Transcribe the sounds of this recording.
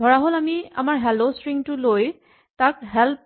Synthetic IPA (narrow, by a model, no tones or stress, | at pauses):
bʱɔɹaɦolamia̰maɹɦɛlosɹiŋtʊloj | takɦɛlp̚